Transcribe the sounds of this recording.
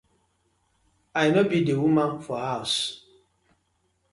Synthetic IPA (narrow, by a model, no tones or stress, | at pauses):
ajimɛbidewumaŋfɔhaʊs